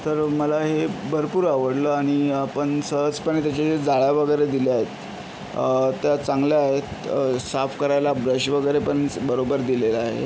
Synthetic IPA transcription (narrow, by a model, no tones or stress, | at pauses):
t̪əɾməlaɦebʱəɾpuːɾaʋəɽləaɽ̃iapəɳsəɦət͡spəɳt̪jat͡ɕaɕed͡zaɭaʋəɡəjɾed̪iljaɦet̪ | t̪jat͡saŋɡljaːɦet̪safkəɾajlabɾəɕʋəɡəjɾepəɳbəɾobəɾd̪ilelaaɦḛ